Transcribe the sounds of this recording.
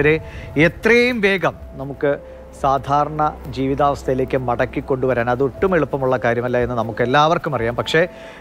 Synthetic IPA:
ɾeet̪rɐjjumʋe̞ːɡɐm | nɐmukːɨ | saːd̪ʱaːɾɐɳɐd͡ʑiːʋiðaːʋɐst̪ʰɐjile̞ːkʲːɨmɐɽɐkːikːo̞ɳɖuʋɐɾaːnɐðuʈːumeɭupːɐmuɭːɐkaːɾjɐmɐlːaːe̞nːɨnɐmukːe̞lːaːʋɐrkːumɐrijaːmpɐkʂe̞

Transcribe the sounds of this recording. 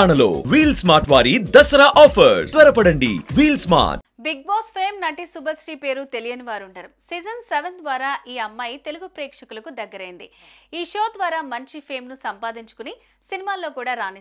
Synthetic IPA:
ɳɐlo̰ːʋiːlsmaːɾʈʋaːɾid̪ɐsɐɾaːʔɔːpʰɐɾsʋɐɾɐpɐɽɐɳɖḭʋiːlsma̰ːʈ | biɡ̚boːspʰeːmnɐʈisubʱɐsʈiːpe̞ːɾut̪e̞lijɐniʋaːɾuɳʈɐɾusiːd͡ʒɐnseʋɐnd̪ʋaːɾaːʔiːɐmːɐjt̪e̞luɡupɾɛːkʂɐkulɐkud̪ɐɡːɐɾɐjind̪iiːʃoːd̪ʋaːɾaːmɐɲt͡ʃipʰe̞ːmnusɐmpaːd̪iɲt͡ʃu̥kuni | sinimaːlo̞ːkuːɽaːɾaːni

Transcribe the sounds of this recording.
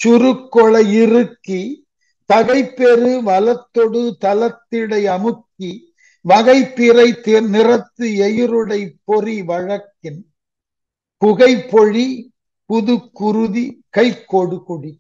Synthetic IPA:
t͡ʃʊɾɯkːɔɭɐɪrɯkːi | t̪ɐɣɐɪpːɛɾɯʋɐlɐt̪ːɔɽɯt̪ɐlɐt̪ːɪɽɐɪɐmɯkːi | ʋɐɣɐɪpːiɾɐɪt̪enɪrɐt̪ːɯɛjɪɾɯɽɐɪpːɔriʋɐɻɐkːɪn | kʊɣɐɪpːɔɻi | pʊðɯkːʊɾɯðikɐɪkːoːɽɯkʊɽi

